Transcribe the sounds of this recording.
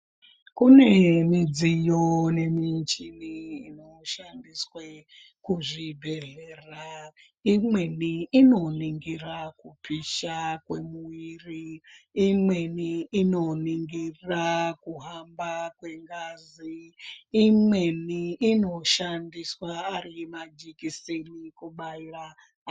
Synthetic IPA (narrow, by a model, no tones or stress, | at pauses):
kune̞mid͡zijone̞mit͡ʃiniino̞ʃandiswe | kuʐibʱe̞ɮeːra | imwe̞niino̞niŋɡirakupʰiʃakwe̞muiriː | mweniːnoniŋɡirakuɦambakweŋɡaziː | mweniʔino̞ʃandiswaːɾimad͡ʒikisenikuɓaira